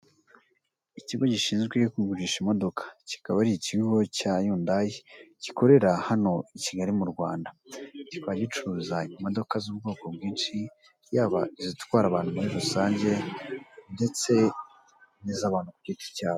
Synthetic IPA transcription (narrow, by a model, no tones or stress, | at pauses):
iciɡo̞ɟiʃiːnzɡwekuɡuʒiʃimo̞do̞kʰḁci̥kaβaɾiiciɡɡo̞cajuːndajeci̥ko̞ɾe̞ɾahano̞iciɡaɾimuɾɡwa̰ːndacikwaɟit͡ʃuzaimo̞do̞kazuːb̚ɡo̞ːko̞bɡiːnʃi | jaːβaizitkwaːɾaβaːn̥humuɾiɾusaːɲɟe̞ | nde̞t͡se̞ | nizaβaːnhukubɟiti̥ɾcaːβo